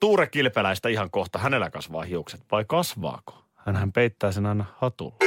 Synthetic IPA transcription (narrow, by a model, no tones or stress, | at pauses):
t̪uːɾekːilpelæist̪æiɦɑŋkoht̪ɑhæne̞lːækɑsʋɑ̰ːhiukset̪ʋɑikɑsʋɑ̰ːko̥ | hænhæmpeit̪ːæːsenɑinːɑhhɑt̪ṵlːe